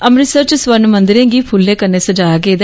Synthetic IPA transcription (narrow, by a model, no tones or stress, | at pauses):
əmɾɪsəɾt͡ʃsʋəɾnmə̃nd̪ɪɾẽːɡiːpʰʊlːẽːkəɾneːsəd͡ʒaːaɡeːd̪